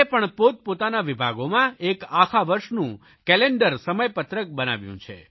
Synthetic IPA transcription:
epəɳpot̪̚pot̪anaʋibʱa̰ɡomãekakʰaʋəɾʃnũ | kɛleɳɖəɾsəməjpət̪ɾək̚bəna̰ʋjṵ̃t͡ʃʰḛ

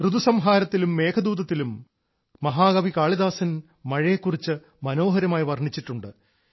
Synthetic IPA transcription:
rɨd̪usɐmɦaːɾɐt̪ːilumːe̞ːkʰɐd̪uːd̪ɐt̪ːilumː | ɐɦaːɡɐʋikaːɭiðaːsɐn | mɐɻɐjekːurit͡ɕːɨ | mɐno̞ːɦɐɾɐmaːjiʋɐrɳit͡ɕːiʈːuɳɖɨ

